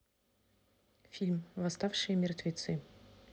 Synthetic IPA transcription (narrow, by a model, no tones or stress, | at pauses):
fʲilʲmvɐst̪afʂɨjmʲɪrt̪vʲet̪sɨ